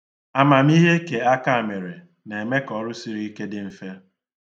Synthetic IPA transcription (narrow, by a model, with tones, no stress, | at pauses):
a˨ma˨m̩˦i˦ɦe˦ke˨a˦ka˦˨me˨ɾe˨ | ne˨me˦kɔ˨˦ɾʊ˦si˦ɾi˦ke˦dɪ˦m̩˨fe˦